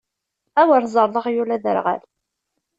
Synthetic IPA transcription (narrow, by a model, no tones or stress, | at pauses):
æwəɾˤzˤəɾˤðˤəʁjulæðə̰ɾʁa̰l